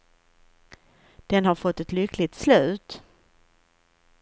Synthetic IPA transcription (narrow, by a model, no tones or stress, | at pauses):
d̪̥ɛnhaɾfɔt̪ːɛt̪lʏkʰlɪt̪slʉ̟ːt̪